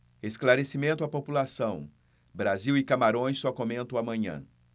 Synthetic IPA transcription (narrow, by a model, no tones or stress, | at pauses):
esklaɾesimẽnt̪ʊapopulasɐ̃w̃ | bɾaziwɪkamaɾõj̃sːɔkomẽnt̪ɐw̃amɐ̃ɲɐ̰̃